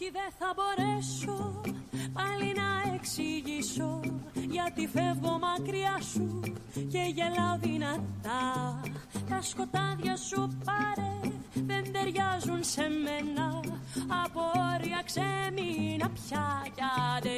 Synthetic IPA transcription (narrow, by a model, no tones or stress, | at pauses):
tiðeθɐbo̞ɾeso | pɐlinɐeksiʝiso̞ʝɐt̪ife̞vɣo̞mɐkɾiɐsuce̞ʝe̞lɐoðinɐt̪ɐ | t̪ɐsko̞t̪ɐðʝɐsupɐɾeðe̞nd̪e̞ɾʝɐzunse̞me̞nɐɐpoɾiɐkseminɐpçɐʝɐt̪e